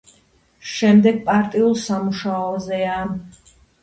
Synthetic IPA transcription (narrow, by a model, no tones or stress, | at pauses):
ʃɛmd̪ɛɡ̚pʼaɾt̪ʼiulˠsamuʃaɔzɛa